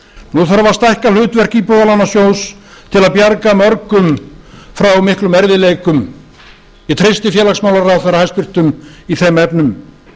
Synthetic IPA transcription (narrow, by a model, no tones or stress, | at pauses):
nuθaɾvast̪ajhkalʏːt̪vɛr̥cipɔːðalanːasjows | t̪ʰɪlaðpjaɾkamœɾkʏmfɾawmɪhklʏmɛɾðɪlejkʏm | it̪ʰɾejst̪ɪfjɛːlaksmaːwlaɾaθejɾahajspɪr̥t̪ʏmiθejmɛpnʏm